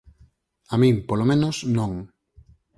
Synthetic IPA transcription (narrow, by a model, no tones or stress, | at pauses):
amĩŋpolomẽnosnõŋ